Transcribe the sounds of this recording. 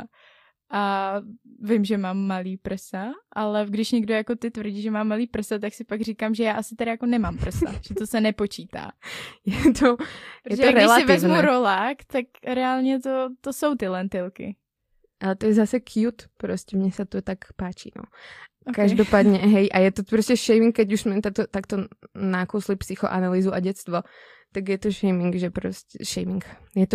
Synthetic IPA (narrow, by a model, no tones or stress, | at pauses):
ʔa | vɪmʒɛmaːmːaliːpr̩saʔalɛɡdɪʃɲɛɡdojako̞t̪ɪt̪vrɟiːʒɛmaːmːaliːpr̩sat̪aksɪpaɡr̝iːkamʒɛjaːʔasɪt̪ɛɾajako̞nɛmaːmpr̩sa̰ʒ̥ɛt̪osɛnɛpo̞t͡ʃiːt̪a̰ːjɛt̪ʰoɾjɛʒoaɾɛɪlasɪvɛɪznmuɾolaːkt̪akɾɛaːlɲɛt̪o̞t̪osowt̪ɪlɛnt̪ɪlkɪ̰ | ʔalɛt̪ɔjɛzasɛkʰjut̪pɾɔscɛmɲɛsat̪ot̪akpaːt͡ʃḭnɔ̰ | kaʒd̪ɔpaːd̪ɲɛɦɛjʔajɛt̪ɔpɾɔscɛʃɛjmiŋkːɛɟuʒsmɛmt̪at̪ɔt̪akt̪ɔnakuslipsixɔ̰ʔanaliːzuʔaɟɛt̪st̪ʋɔ | t̪aɡjɛt̪ɔʃɛjmiŋɡʒɛpɾo̰scɛʃɛjmiŋkjɛt̪ɔ